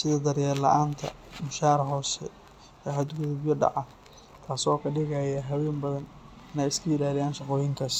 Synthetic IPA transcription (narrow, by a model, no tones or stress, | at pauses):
sɪðɐd̪ɐɾjaːlɐ̰ʔaːnt̪ʰɐ̰ | mʊʃaːɾɦɔːsɛ | ɛɦɐd̪ɡʊðʊbjɐɖɑ̰ʕɑ | t̪ʰaːsɔːkʰɐɖɪɣajɐɦɐwɛːnbɐðɐn | ɪnɛːjɪskʰɐɪlaːlɪjaːnʃɑqɔːjɪŋkʰɐs